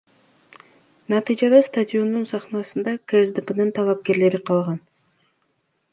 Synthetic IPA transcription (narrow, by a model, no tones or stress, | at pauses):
nɑt̪ɨjd͡ʒɑd̪ɑst̪ad̪ʲɪo̞nːunsɑχnɑsɯnd̪ɑkezd̪ɨpənɯnt̪ʰɑlˠɑp̚ke̞ɾle̞ɾiqʰɑlˠʁɑn